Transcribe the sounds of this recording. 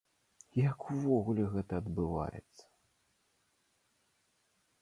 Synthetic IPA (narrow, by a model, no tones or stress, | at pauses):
jakuvɔɣulʲɛɣɛt̪ɐːd̪bɨva̰jɛ̰t̪sːɐ̥